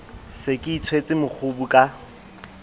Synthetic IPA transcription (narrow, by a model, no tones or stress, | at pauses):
sɪkʼɪit͡sʰwet͡sʼɪmʊk͡xʰʊbukʼa